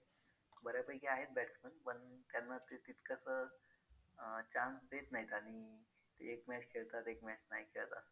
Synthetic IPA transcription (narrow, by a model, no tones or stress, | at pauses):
bəɾjapəjkeaɦet̪̚bɛʈsmənpəɳt̪janːat̪et̪it̪kasə | t͡ɕansd̪et̪naɦit̪aɽ̃i | t̪eekmɛt͡ɕkʰeɭt̪at̪ekmɛt͡ɕnaɦikʰelə̰t̪a̰sə̥